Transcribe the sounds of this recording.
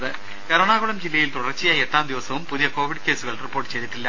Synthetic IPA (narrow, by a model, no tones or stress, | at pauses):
ɐðɨ | kɐɾɐɳaːɣuɽɐmd͡ʑilːɐjilt̪uɽɐrt͡ɕijɐeʈːaːmd̪iʋɐsɐʋumpuðijɐko̞ːʋiɖke̞ːsuɣɐɭripːorʈːɨ̥t͡ɕe̞jðit̪ːilːɐ